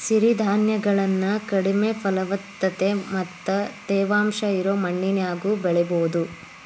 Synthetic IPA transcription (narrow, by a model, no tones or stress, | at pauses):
siɾid̪ʱaːnjɐɡɐɭɐnːɐkɐɽimefʰɐlɐʋɐt̪ːɐt̪e̞mɐt̪ːɐt̪ɛːʋaːmʃɐiɾoːmɐɳːinjaːɡuːbɛɭɛboːd̪u